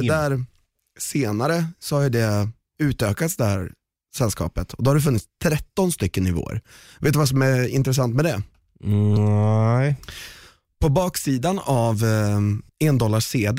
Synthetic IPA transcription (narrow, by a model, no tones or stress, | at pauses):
d̪ɛd̪æɾ | seːnaɾəsɔhajd̪ɛ | ʉ̟ːt̪øːkat̪sd̪ɛhæ̰ɾ | sɛlskɑ̰ːpət̪ʰɔd̪ɔhaɖ̪ɵfɵnːɪt̪st̪ʰːɾɛt̪ːɔnst̪ʏkːənɪvo̰ːə̰ɾ | veːt̪ːɵvas̬ɔmæɪ̰nt̪ɾɛs̬ant̪mɛd̪ɛ | pʰɔbɑːksiːd̪anav | ɛnd̪ɔlːaʂeːd̪